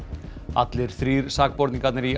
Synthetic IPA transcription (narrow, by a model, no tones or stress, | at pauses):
a̰t̪lɪɾ̥θɾiːɾsaːk̚pɔɾt̪niŋkat̪nɪɾi